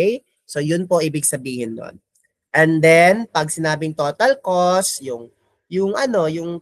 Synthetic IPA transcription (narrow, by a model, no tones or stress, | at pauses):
j | so̞jʊnpoʔiːbɪɡsɐbiːhɪnːo̰n | ʔɛnd̪ɛnpɐɡ̚sɪnaːbɪŋt̪oːt̪ɐlkosjʊŋ | jʊŋʔɐno̞jʊŋ